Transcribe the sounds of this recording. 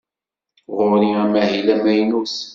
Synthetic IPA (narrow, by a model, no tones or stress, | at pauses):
ʁʊɾiæmæhilæmæjnus